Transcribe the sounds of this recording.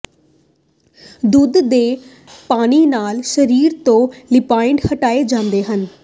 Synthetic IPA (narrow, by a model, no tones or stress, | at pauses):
d̪ud̪d̪eː | paːniːnaːlʃəɾiːɾt̪õːlɪpaːɪɳɖhəʈaːed͡ʒãːnd̪eːɦən